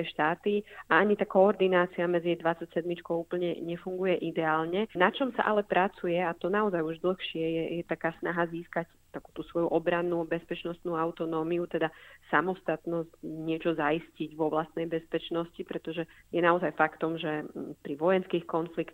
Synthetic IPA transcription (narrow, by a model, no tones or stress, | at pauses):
ɛʃt̪aːt̪iaaɲit̪akɔːɾd̪inaːt͡siamɛd͡ziɛjd̪ʋat͡sacsɛd̪mit͡ʃkɔʊupl̩ɲɛɲɛfuŋɡujɛʔid̪ɛaːlɲɛnat͡ʃɔmsa̰ʔalɛpɾat͡sujɛat̪ɔnaɔzajuʒd̪l̩xʃɪɛjɛjɛt̪akaːsnaɦaziːskac | t̪akuːt̪uːsʋɔjuʔɔbɾanːubɛspɛt͡ʃnɔst̪nuːaʊt̪ɔnɔːmiut̪ɛd̪asamɔst̪at̪nɔscɲɪɛt͡ʃɔzaisciɟʋɔʋlast̪nɛjbɛspɛt͡ʃnɔscipɾɛt̪ɔʒɛjɛnaɔzajfakt̪ɔmʒɛpɾiʋɔjɛnskiːxkɔnflikt̪